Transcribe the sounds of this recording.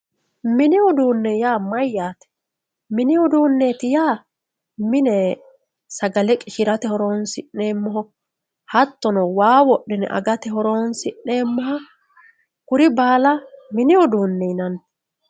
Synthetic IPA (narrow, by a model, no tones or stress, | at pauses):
mɪnɪwʊd̪uːnːɛjaːmɐjːaːt̪ɛ̥ | mɪnɪwʊd̪uːnːe̞ːt̪ɪjaː | mɪnɛ | sɐɡɐlɛkʼɪʃɪɾɐt̪ɛhɔɾoːnsɪnːe̞ːmːɔɦɔ | hɐt̪ːɔnɔwaːwɔʔːɪnɛ̰ʔɐ̰ɡɐt̪ɛhɔɾoːnsɪʔne̞ːmːɔhɐ | kʊɾɪbaːlɐmɪnɪʊd̪uːnːɛjnɐn